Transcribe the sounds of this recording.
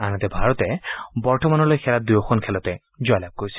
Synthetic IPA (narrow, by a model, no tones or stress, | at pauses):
anat̪ɛbʱaɹɔt̪ɛbɔɹtɔmanɔlojxʰɛlad̪ujɔkʰɔnkʰɛlɔt̪ɛ | zɔjlab̚koɹisʰi̥